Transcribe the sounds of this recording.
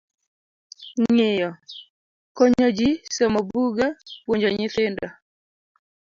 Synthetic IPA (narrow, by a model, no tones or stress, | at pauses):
ŋɪjɔ | kɔɲɔd͡ʒisɔmɔbuɡapwoɲd͡ʒɔɲɪt̪ɪnda